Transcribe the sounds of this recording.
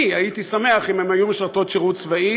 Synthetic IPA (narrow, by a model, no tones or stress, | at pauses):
iait̪isame̞aχimemajumiʃʁt̪o̞t̪ʃeʁutt͡svai